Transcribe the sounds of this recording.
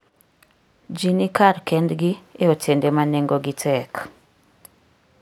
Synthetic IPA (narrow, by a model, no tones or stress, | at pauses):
d͡ʒinikaɾkɛndɡieotendemaneŋɡoɡitʰɛk